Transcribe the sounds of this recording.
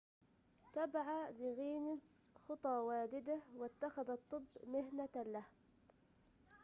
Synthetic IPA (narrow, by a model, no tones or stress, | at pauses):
t̪abʕad̪ɪɣiːnɪsxɨt̪ˤɑːwaːd̪ɪd̪ahwɪt̪ːaxaðɑt̪ˤːɨbːmɪhnalah